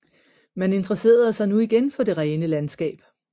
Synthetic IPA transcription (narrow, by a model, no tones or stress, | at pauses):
mæne̝nd̥ʁɐse̝̰ːɐð̩ˠsɑ̈ɪnuiɡ̥enfɒ̽d̥e̝ʁɛːnəlænsɡ̥ɛ̰ːb̥